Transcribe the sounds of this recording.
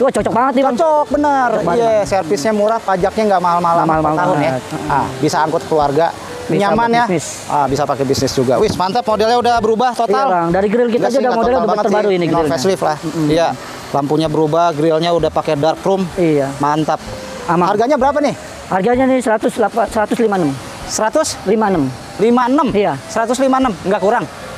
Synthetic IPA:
d͡ʒuɡat͡ʃɔt͡ʃɔk̚baŋət̪̚nibaŋt͡ʃɔk̚bənərbijasɛrfɪsɲamuɾahpad͡ʒak̚ɲaŋɡaʔmaɦalmaalamahalmaalaʊjat̪̚abisaːŋkʊt̪̚kəluarɡa | biɲamanjanɪs | abisapakɛbisnɪsd͡ʒuɡawɪsmant̪ap̚modɛlɲaudabəɾubaht̪ot̪albaŋdaɾiɡəɾɪlk̬itad͡ʒaudamodɛlaudabbŋət̪ərbaɾuiniɡɾɪlɲfɛaslɪflahm̩ija | lampuɲabəɾubahɡɾilɲaudahpakɛdarkɾʊmijamant̪əp̚ | amaharɡaɲabəɾap̬anɪh | harɡaɲanɪsəɾat̪ʊslapasəɾat̪ʊslimanəm | səɾat̪ʊslimanəm | limanəmijasəɾat̪ʊslimanəmŋɡaʔkuɾaŋ

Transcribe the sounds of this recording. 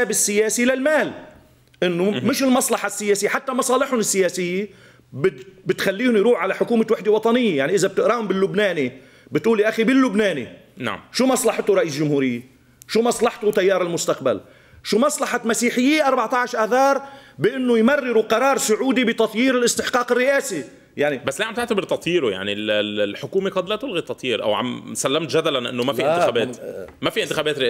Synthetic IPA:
aːbɪsːɪjaːsilalmaːl | ʔɪnːʊmɪʃɪlmɑsˤlɑħasːɪjeːsɪjːħat̪ːamɑsˤɑːlɪħhʊnɪsːɪjaːsɪjːe | bɪbɪt̪xalːiːhʊmjɾuːħʕalaħʊkuːmawɪħd̪ɪwɑt̪ˤɑnɪjːejaʕniʔɪzab̚t̪ɪʔɾaːhʊmbɪlːʊbnaːni | bɪt̪ʔuːliʔaxibɪlːʊbnaːni | a̰ʃuːmɑsˤlɑħt̪ʊɾˤɑʔiːslʒʊmhuːɾɪjːe | ʃuːmɑsˤlɑħt̪ʊt̪ajːɑːɾˤɪlmʊst̪aq̚ba̰l | ʃuːmɑsˤlɑħamasiːħɪjːiʔɑɾˤbɑʕt̪ˤɑʕʃɾʔaθɑːɾˤbɪʔɪnːʊjmarːɪɾuqɑɾˤɑːɾˤsʊʕuːd̪ibɪt̪ɑt̪ˤjiːɾɪlʔɪst̪ɪħqɑːqɪrːɪʔaːsi | jaʕnibasːliːʕamt̪ɪʕt̪abɪɾt̪ɑt̪ˤjiːɾʊja̰ʕnillħʊkuːmiqɑd̪laːt̪ʊlɣit̪ɑt̪ˤjiːɾʔa̰wʕa̰msalːamt̪ʒad̪alanʔɪ̰nːʊmafinɪːbeːmafiʔɪnt̪ɪxaːbɛːt̪ɾɪʔ

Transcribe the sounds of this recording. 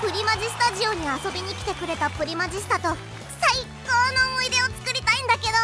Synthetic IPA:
pɯ̟ɾʲimaʑisɨ̥t̪aʑio̞ɲ̟iaso̞bʲiɲ̟ikʲi̥t̪e̞kɯ̟ɾe̞t̪apɯ̟ɾʲimaʑisi̥t̪at̪o̞ | saikoːnoːmoid̪e̞o̞t͡sɨ̥kɯ̟ɾʲit̪aĩnd̪ake̞d̪o̞

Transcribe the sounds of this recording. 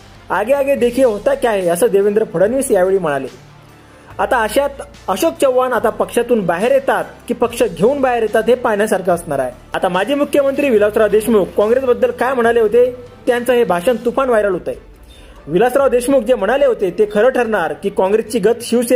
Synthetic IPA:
aɡeaɡed̪ekʰiːɦot̪akjaɦeəsəːd̪eʋend̪ɾəpʰəɽənʋiːsjaʋeɭiːm̤əɽale | at̪aəɕat̪ | əɕok̚t͡ɕəʋːanat̪apəkʂat̪uːnbaɦeɾjet̪at̪̚kiːpəkʂəɡʱeuːnbaɦeɾjet̪at̪ɦepanjasaɾkʰaəsnaɾaɦe | at̪amad͡ʑʱiːmukʰːjəmənt̪ɾiːʋilasɾaʋd̪eɕmukːɔ̃ŋɡɾesbəd̪ːəlkajm̤əɽ̃aleɦot̪et̪jant͡səɦebʱaʂənt̪upanʋajɾəlɦot̪əj | ʋilasɾaʋd̪eɕmuk̚d͡zem̤əɽ̃aleɦot̪et̪ekʰəɾəːʈʰəɾɳaɾkiːkɔ̃ŋɡɾest͡ɕiːɡət̪ɕiwse

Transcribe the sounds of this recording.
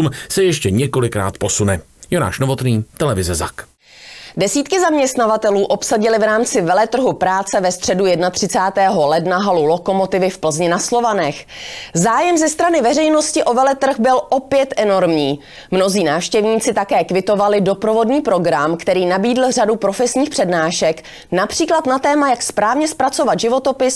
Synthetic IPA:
umsɛjɛʃcɛɲɛko̞lɪkɾa̰ːt̪po̞sunɛ | jona̰ːʃnovo̞t̪niːt̪ɛlɛvɪzɛza̰k | dɛsiːt̪kɪzamɲɛst̪navat̪ɛluːʔo̞psaɟɪlɪvɾaːmt͡sɪvɛlɛt̪r̩ɦupɾaːt͡sɛvɛst̪r̥ɛdujɛdnat̪r̝̥ɪt͡saːt̪ɛːɦo̞lɛdnaɦalulo̞ko̞mo̞t̪ɪvɪfpl̩zɲɪnaslo̞vanɛxzaːjɛmzɛst̪ɾanɪvɛrɛjno̞scɪʔo̞vɛlɛt̪r̩xbɪlʔo̞pjɛt̪ʔɛno̞ɾmɲiː | mno̞ziːnaːfʃcɛvɲiːt͡sɪt̪akɛːkvɪt̪o̞valɪdo̞pɾo̞vo̞dɲiːpɾo̞ɡɾamkt̪ɛɾiːnabiːdl̩radupɾo̞fɛsɲiːxpr̥ɛdnaːʃɛk | napr̝̥iːklat̪nat̪ɛːmajakspɾaːvɲɛspɾat͡so̞vat̪ʒɪvo̞t̪o̞pɪs

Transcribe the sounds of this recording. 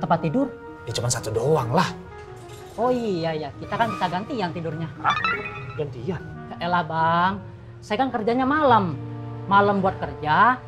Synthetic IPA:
t̪əmpat̪ːidʊr | jat͡ʃumansat̪udoaŋlah | oijajakit̪akankit̪aɡant̪ijaŋt̪idʊrɲaɾapuɡand̪ija | kəʔelabaŋ | sajakankərd͡ʒaɲamaləmːaləmbuat̪̚kərd͡ʒa

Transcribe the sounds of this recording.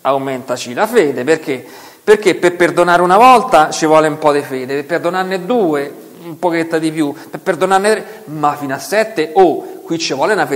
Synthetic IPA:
awment̪at͡ʃilafeːd̪eperke | perk̟ːepːeperd̪onaːɾeunavɔlt̪at͡ʃivwɔːleumpɔd̪efeːd̪eepːerd̪onarned̪uːe | umpoket̪ːad̪ipjupepːerd̪onarnet̪ɾe | mafiːnoasːɛt̪ːeokːwit͡ʃːevwɔːlenafe

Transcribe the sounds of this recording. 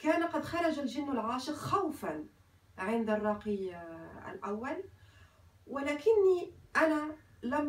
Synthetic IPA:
kæːnqɑd̪xɑɾˤɑʒalʒɪnːalʕɑːʃəqxawfan | ʕɪnd̪arˤːɑːqiʔæ̰lʔawːæl | wɪlæːkɪnːiʔænæ | læm

